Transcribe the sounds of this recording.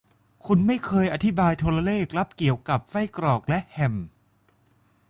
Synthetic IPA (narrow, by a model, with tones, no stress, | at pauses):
kʰu˧nma˥˩jkʰɤː˧jʔa˧t̪ʰi˦˥baː˧jt̪ʰu˧la˧leː˥˩k̚la˦˥p̚ki˨˩əwka˨˩p̚fa˥˩jkɾɔː˨˩k̚lɛ˦˥ʔhɛ˨˩m